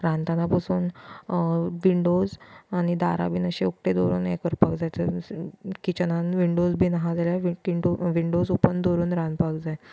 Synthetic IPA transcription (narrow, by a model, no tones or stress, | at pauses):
ɾãnt̪anapəsuːn | ʋiɳɖod͡zañid̪aɾa̰biːnəɕeuk̚ʈed̪oɾṵːnḛkəɾpaɡd͡zajt̪ə | kit͡ɕənãnʋiɳɖod͡zbʱiːnaɦad͡zaljaʋikiɳɖoʋiɳɖod͡zupənd̪oɾuːnɾãnpaɡd͡zaj